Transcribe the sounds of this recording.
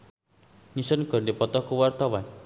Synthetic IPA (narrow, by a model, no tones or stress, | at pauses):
nisɔnɡɔ̤rndipɔt̪ɔkuwart̪awan